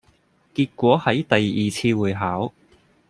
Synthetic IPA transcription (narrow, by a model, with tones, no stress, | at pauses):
kiː˧t̚kʷɔː˨˥hɐ˨˥jt̪ɐ˨jiː˨˩t͡sʰiː˧wuː˨˩jɦaː˨˥w